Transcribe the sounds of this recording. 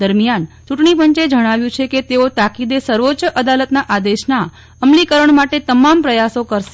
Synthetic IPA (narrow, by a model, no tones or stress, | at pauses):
d̪əɾmijant͡ʃuʈɳip̬əɲt͡ʃed͡ʒəɽ̃aʋjũt͡ʃʰeket̪eot̪akid̪esəɾʋott͡ʃəʔəd̪alət̪naʔad̪eʃna | əmlikəɾəɳmaʈet̪əmampɾəjasokəɾʃ